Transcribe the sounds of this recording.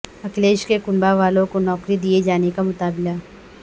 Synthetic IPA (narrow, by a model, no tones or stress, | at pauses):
ɐkleːʃkekʊnbaʋaːlõkonɔːkɾid̪ied͡ʒaːnekamʊt̪aːbɪla